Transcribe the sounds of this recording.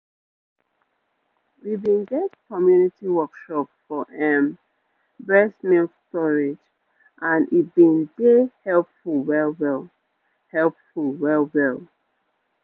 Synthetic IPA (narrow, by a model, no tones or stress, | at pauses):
wibĩnɡɛtkɔmjunitiwɔkʃɔpfɔʔɛ̃m | bɹɛsmilstɔɹed͡ʒ | ʔãnit̚bĩnɡehɛlpfulwɛlwɛlˠ | hɛlpfulwɛlwɛlˠ